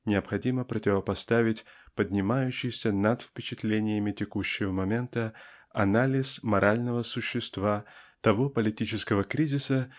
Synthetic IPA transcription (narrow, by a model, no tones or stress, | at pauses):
nʲɪɐpxɐdʲiməpɾətʲɪvəpɐst̪avʲɪtʲpədʲnʲɪmajʉɕːɪjsʲənat̪fpʲɪt͡ɕɪt̪lʲenʲɪjəmʲɪtʲɪkuɕːɪvəmɐmʲe̞nt̪əɐ̰nalʲɪsmɐɾʔalʲnəvəsʊɕːɪst̪vat̪ɐvopəlʲɪtʲit͡ɕɪskəvəkɾʲizʲɪsə